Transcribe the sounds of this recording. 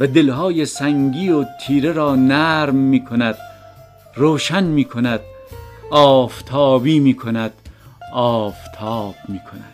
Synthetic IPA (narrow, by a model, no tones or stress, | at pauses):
væd̪e̞lɦɒːjesæŋɡiːot̪ʰiːɾeɾɒːnæːɾmːiːkʰonæd̪̥ | roːʃænmiːkʰonæd̪̥ɒːft̪ʰɒːbiːmiːkʰo̞næd̪̥ɒːft̪ʰɒːb̥̚miːkʰonæ̰d̪̥